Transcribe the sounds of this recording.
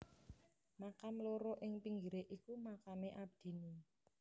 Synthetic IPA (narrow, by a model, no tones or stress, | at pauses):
makamloɾoʔɪŋpiŋɡiɾeʔikumakameʔab̥̚d̪̥i̤ni